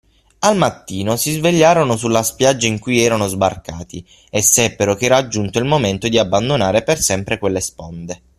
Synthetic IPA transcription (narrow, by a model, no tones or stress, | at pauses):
almat̪ːiːnosizveʎːaːɾonosulːaspjad͡ʒːaiŋkujɛːɾanozbarkaːt̪i | esːɛpːeɾokɛːɾaːd͡ʒːunt̪oilmoment̪od̪iabːand̪onaːɾepersɛmpɾekwelːespond̪e